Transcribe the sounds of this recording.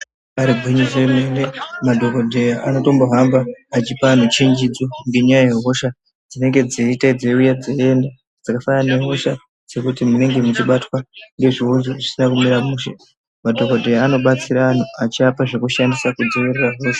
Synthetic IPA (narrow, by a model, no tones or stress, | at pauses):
aɾiɡʱwiɲiseemenemadʱo̞kodʱe̞jaʔano̞to̞mbo̞ɦambaːt͡ʃipaːn̤ut͡ʃeɲd͡ʒid͡zo̞ŋɡe̞ɲajaje̞ɦo̞ʃa | d͡zine̞ŋɡe̞d͡ziitaid͡zeujad͡zeenda | d͡zakafanane̞ɦo̞ʃa | d͡ze̞kutimune̞ŋɡe̞mut͡ʃiɓatwaŋɡe̞ʐiunzoʐisinakumiɾamuːʃḛ | madʱo̞kodʱe̞jaːno̞ɓat͡siɾaːn̤uat͡ʃiapaʐe̞kuʃandisakud͡zoʋireraɦo̞ːʃḁ